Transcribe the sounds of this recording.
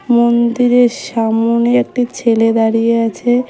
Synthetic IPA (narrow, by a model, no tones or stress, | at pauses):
mond̪iɾeʃamoniek̚ʈit͡ɕʰeled̪aɾijeat͡ɕʰe